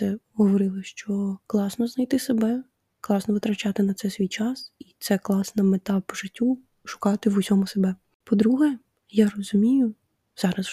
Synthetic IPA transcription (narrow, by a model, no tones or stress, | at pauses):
sɛɦɔʋɔɾɪlˠɪʃt͡ʃɔklˠɑsnɔznɐjt̪ɪsebɛ | klˠɑsnɔʋɪt̪ɾɐt͡ʃɑt̪ɪnɐt̪sɛsʲʋʲijt͡ʃɑsit̪sɛklˠɑsnɐmet̪ɑpɔʒɪtʲːu | ʃʊ̥kɑt̪ɪʋʊsʲɔmʊsebɛ | pɔd̪ɾuɦɛ | jarɔzʊmʲijʊ | z̥ɑɾɐs